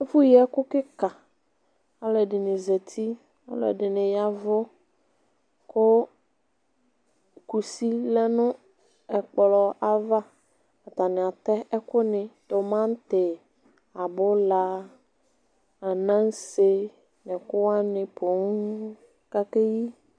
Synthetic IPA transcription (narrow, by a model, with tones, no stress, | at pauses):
ɛ˦fʊ˦ji˦ɛ˦kʊ˦kɪ˦ka˨ | a˦lɛ˨dɪ˨nɪ˨zɛ˨t̪ʰi˦ | a̰˦lɛ̰˨dɪ˨nɪ̃˨ja˨vʊ˦ | kʊ˦ | ku˨si˦lɛ˦nʊ̃˦ | ɛ˨k͡pɔ˨lɔ˨ʔa˨va˦ | a˨t̪a˨nɪ̃˨a˨t̪ɛ˦ɛ˦kʊ˦nɪ̃˨t̪ʊ˨mã˦n˦t̪ɪ˨ | a˨bʊ˦la˦ | a˨nã˦ŋ˦se˦ | nɪ̃˨kʊ˦wa˦nɪ̃˨pʰo˨˦ŋ˦ | ka˦ke˦ji˦